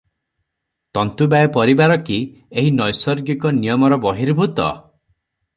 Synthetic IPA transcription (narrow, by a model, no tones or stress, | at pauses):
t̪ɔnt̪ubajɔpɔɾibaɾɔki | eɦinɔjsɔɾɡikɔnijɔmɔɾɔbɔɦiɾbʱut̪ɔ̰